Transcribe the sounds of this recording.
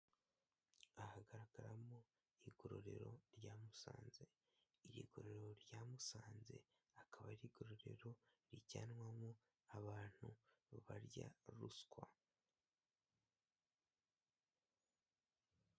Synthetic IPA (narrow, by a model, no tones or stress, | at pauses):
ahaɡaɾaɡaɾamo | iɡoɾo̰ɾe̞̰ɾo̞̰ɾjaːmusa̰ːnze̞ | iɾḭɡo̞ɾoeɾo̞ɾjaːmusaːnze̞̰ | akaβaɾiɡo̞ɾo̞ɾe̞̰ɾoɾiɟaːnwamo | aβaːn̥huβaɾja̰ɾṵskwa